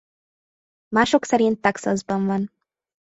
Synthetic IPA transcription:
maːʃo̞ksɛɾint̪ːɒksɒzbɒɱvɒn

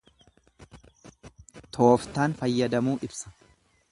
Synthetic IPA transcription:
t̪ʰo̞ːft̪aːnfɐjːɐd̪ɐmuːʔɪbsɐ̥

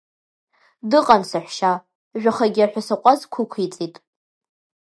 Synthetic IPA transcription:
dɨqʼansɨħʷʃa | ʒᶣaχaɡʲɪaħʷᶣasaqʷʼazkʷʰʊkʷʰit͡sʼitʼ

